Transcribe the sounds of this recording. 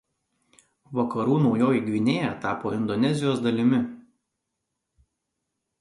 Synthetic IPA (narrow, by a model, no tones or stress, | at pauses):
ʋɐkɐɾuːnɒʊjoːjɪɡʋʲɪnʲeːjɛt̪ɑːpoːɪnd̪ɔnʲɛzʲɪjoːsd̪ɐlʲɪmʲɪ